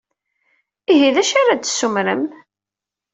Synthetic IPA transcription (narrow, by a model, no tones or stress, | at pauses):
iɦiðæʃaɾad̪sːumɾəm